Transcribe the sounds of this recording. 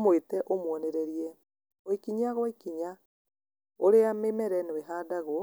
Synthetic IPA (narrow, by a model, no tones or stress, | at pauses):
mowetɛʔomwɔneɾɛɾiɛ | oikiɲaɣwɔikiɲa | oɾeamemɛɾɛneweɦaːdaɣwɔ